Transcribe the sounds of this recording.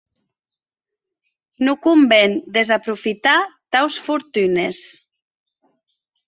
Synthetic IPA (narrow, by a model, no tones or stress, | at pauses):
nukumbend̪ezapɾufit̪at̪awsfuɾt̪ynes